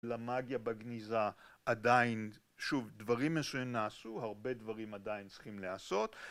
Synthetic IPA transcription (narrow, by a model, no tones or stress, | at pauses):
lamaɡjabaɡnizaadain | ʃuvd̪vaʁimːesujimnaːsuhaʁbe̞d̪vaʁimad̪ajintt͡si̥χimleaso̞t̪